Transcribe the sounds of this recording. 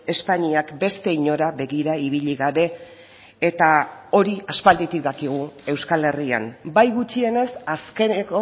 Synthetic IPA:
e̞spaɲiakbe̞st̪e̞iɲo̞ɾaβe̞ɣiɾaiβ̞iʎiɣaβe̞ː | t̪ao̞ɾiaspald̪it̪ik̚d̪akiɣ̞ue̞wskale̞ria̰nbajɣut͡ʃie̞ne̞saske̞neko̞

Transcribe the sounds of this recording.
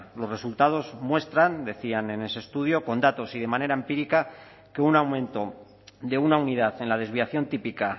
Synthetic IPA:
lo̞sre̞sult̪að̞o̞zmwe̞st̪ɾand̪e̞θiane̞ne̞sest̪uð̞jo̞ko̞nd̪at̪o̞sið̞e̞mane̞ɾaempiɾika | ke̞unawmẽ̞nt̪o̞ | ðe̞unauniðaθe̞nlaðe̞zβiaθjo̞nt̪ipika

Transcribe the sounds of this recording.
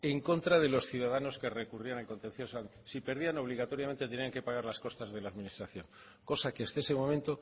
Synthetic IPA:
e̞ŋko̞nt̪ɾaðe̞lo̞sθjuðaðano̞ske̞re̞kurianalko̞nt̪ẽ̞n̟θjo̞san | sipe̞ɾðiano̞β̞liɣ̞at̪o̞ɾjament̪et̪e̞niaŋke̞paɣ̞aɾlasko̞st̪azðe̞laːðmĩnist̪ɾaθjo̞ŋ | ko̞sakeast̪eesemõ̞mẽnt̪o̞

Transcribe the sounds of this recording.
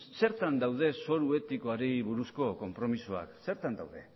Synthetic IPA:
se̞ɾt̪and̪awðe̞so̞ɾue̞t̪iko̞aɾiβuɾusko̞ko̞mpɾo̞misua̰kse̞ɾt̪and̪awðe̞

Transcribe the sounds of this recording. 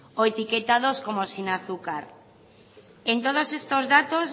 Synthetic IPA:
oet̪iket̪að̞oskomosinaθukaɾ | ent̪oð̞osest̪ozðat̪os

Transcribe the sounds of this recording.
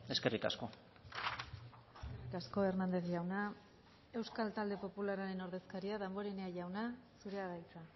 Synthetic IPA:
e̞skerika̰sko̞ | eskerikasko̞e̞ɾmand̪eθʝawna | e̞wskalt̪ald̪e̞po̞pulaɾaɾe̞no̞ɾðe̞skaɾiaðambo̞ɾene̞aʝawnasuɾe̞aðajt͡sa

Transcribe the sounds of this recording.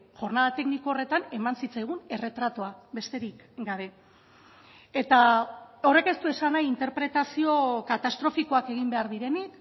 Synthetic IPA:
ʝo̞ɾnað̞at̪e̞kniko̞ːre̞t̪ane̞mansit͡sajɣ̞une̞re̞t̪ɾat̪oabe̞st̪e̞ɾik | ɡaβe̞ | et̪aore̞ke̞st̪ue̞sanajint̪e̞ɾpɾe̞t̪asio̞kat̪ast̪ɾo̞fiko̞ake̞ɣ̞imbe̞aɾðiɾe̞nik

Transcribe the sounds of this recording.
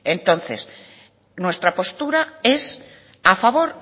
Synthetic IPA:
ẽnt̪õn̟θḛs | nwe̞st̪ɾapo̞st̪uɾaes | afaβoɾ

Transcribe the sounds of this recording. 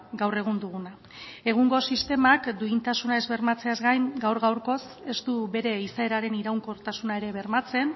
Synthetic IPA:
ɡawre̞ɣ̞und̪uɣuna | e̞ɣ̞uŋɡo̞sist̪e̞makd̪uint̪asunae̞zβe̞ɾmat͡se̞azɡajŋɡawɾɣawɾko̞s | e̞st̪uβe̞ɾe̞isae̞ɾaɾe̞niɾawŋkoɾt̪asunae̞ɾe̞βe̞ɾmat͡se̞n

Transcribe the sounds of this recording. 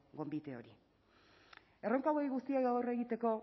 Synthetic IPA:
ɡo̞mbit̪eo̞̰ɾi | e̞ro̞ŋkawojɣust̪iaɣawre̞ɣit̪e̞ko̞

